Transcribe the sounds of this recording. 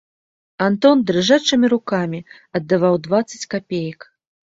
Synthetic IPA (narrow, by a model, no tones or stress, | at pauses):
ant̪ɔnd̪ɾɨʐat͡ʂɨmʲiɾukamʲi | ɐd̪ːavawd̪vat̪sːɐ̥t͡sʲkapʲejɐk